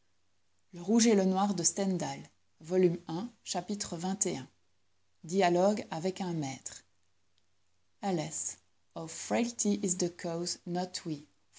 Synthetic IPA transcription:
ləʁuʒelənwaʁd̪əst̪ɛ̃nd̪al | vɔlymɛ̃ʃapit̪χəvɛ̃t̪eɛ̃ | d̪ijalɔɡavɛkɛ̃mɛt̪χ | alɛs | ɔvfɹɛlt̪iʔizd̪əkʰoznɔt̪ʰwi

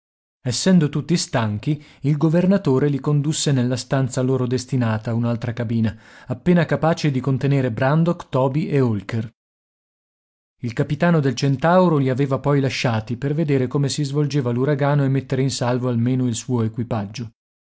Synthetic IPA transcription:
ɛsːɛnd̪ot̪ut̪ːist̪aŋk̟iilɡovernat̪oːɾelikond̪usːenelːast̪ant̪saloːɾod̪est̪inaːt̪aunalt̪ɾakabiːnaːpːeːnakapaːt͡ʃed̪ikont̪eneːɾebɾand̪okt̪ɔːbiʔeolker | ilkapit̪aːnod̪elt͡ʃent̪awɾoliaveːvapɔjlaʃːaːt̪iperved̪eːɾekoːmesizvold͡ʒeːvaluɾaɡaːnoemːet̪ːeɾeinsalvoalmeːnoilsuːoekwipad͡ʒːo

